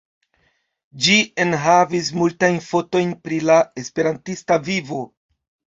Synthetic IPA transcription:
d͡ʒie̞nɦavis̬multajnfo̞to̞jnpɾilae̞spe̞ɾantistavivo̞

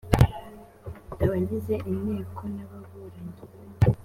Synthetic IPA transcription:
aβaɟize̞ʔineːkʰo̞naβaβuɾaɲe

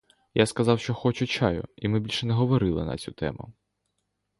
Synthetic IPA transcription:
jaskɐzɑwʃt͡ʃɔxɔt͡ʃʊt͡ʃɑjʊ̰imɪbʲilʲʃɛnɛɦɔʋɔɾɪlˠɪ̰nɐ̰t͡sʲut̪ɛ̰mʊ̰

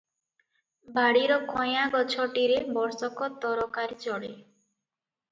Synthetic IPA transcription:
bʱaɽiɾɔkʰɔjaɡɔt͡ʃʰɔʈiɾebɔɾsɔkɔt̪ɔɾɔkaɾt͡ʃɔɽe

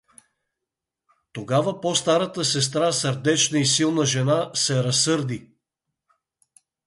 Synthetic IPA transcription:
t̪oɡavəpost̪aɾət̪əsɛs̬t̪ɾasɐɾd̪ɛt͡ʃnəisilˠnəʒɛnasɛɾɐsːɤɾd̪i

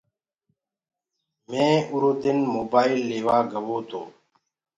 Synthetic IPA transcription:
mẽːʊɾoːd̪ɪnmoːbaːilːeːʋaːɡəʋoːt̪ʰo̰ː

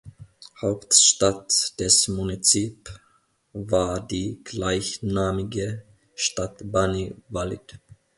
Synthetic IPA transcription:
haʊptʃtatd̥ɛsmunit͡siːp | vaːɐdiːɡ̥laɪçnaːmɪɡə | ʃtatbanivalɪ̰t

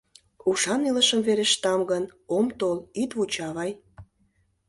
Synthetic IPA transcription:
uʃɑniləʃəmveɾeʃt̪ɑmɡənomt̪olit̪βut͡ɕɑβɑj

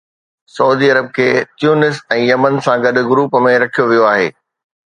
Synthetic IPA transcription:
sɐuːd̪iːɐɾəb̚kʰeːt̪juːnɪsɛ̃ːjɐmənsãɡɐɗʊ̆ɡʊɾuːpəmẽɾɐkʰijoʋijoaːɦeː

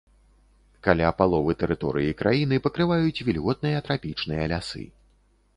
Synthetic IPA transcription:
kalʲapalˠɔvɨt̪ɛɾɨt̪ɔ̰ɾɨ̰jikɾʔajinɨpɐkɾɨvajut͡sʲvʲilʲɣɔt̪̚nɨjɐt̪ɾapʲit͡ʂnɨjɐlʲasɨ̰

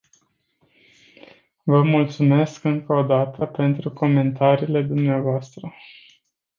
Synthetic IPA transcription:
vəmult̪sume̞skɨŋkəod̪at̪ʰəpe̞nt̪ɾuko̞me̞nt̪aɾiːle̞d̪umneavoast̪ɾə

